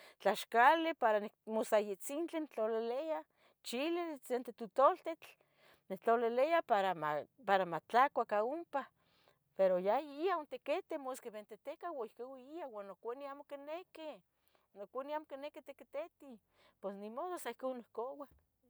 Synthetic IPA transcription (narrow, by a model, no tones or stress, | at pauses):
t͡ɬaʃkalepaɾanimosajet͡sint͡ɬent͡ɬoleleja | t͡ʃilesent̪et̪ut̪olt̪et͡ɬ | net͡ɬolelejapaɾamapaɾamat͡ɬakʷakaompa | peɾojaiaont̪eket̪emoskeβent̪et̪ekawaihkewiiawanokʷaniaːmokɪneke | nokʷaniamokineket̪eket̪et̪i | pesnimoðosaihkonːihkowa